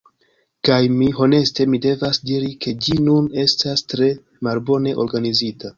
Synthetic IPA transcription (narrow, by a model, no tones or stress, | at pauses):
kajmiɦo̞ne̞ste̞mide̞vasdiɾikʰe̞d͡ʒinune̞stastɾe̞ | malbo̞ne̞ʔo̞ɾɡanizita